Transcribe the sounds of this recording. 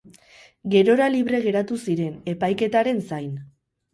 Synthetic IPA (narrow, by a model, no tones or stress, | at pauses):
ɡe̞ɾo̞ɾaliβɾe̞ɣ̞e̞ɾat̪usiɾe̞ne̞pajke̞t̪aɾe̞nsajn